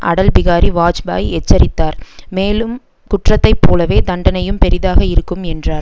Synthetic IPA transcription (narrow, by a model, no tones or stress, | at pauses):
ʔɐ̰ɽɐlbɪɣaːɾiʋaːt͡ʃba̰ːjɛt͡ʃːɐɾɪt̪ːaːɾmeːlɯm | kʊʈrɐt̪ːɐɪpːoːlɐʋeːd̪ɐɳɖɐnɐjɯmpɛɾɪðaːɣɐɪɾɯkːɯmɛndraːɾ